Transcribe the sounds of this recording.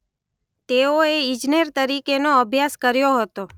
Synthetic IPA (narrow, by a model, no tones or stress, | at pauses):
t̪eoeid͡ʒneɾt̪əɾikenoəbʱjaskəɾjoɦət̪o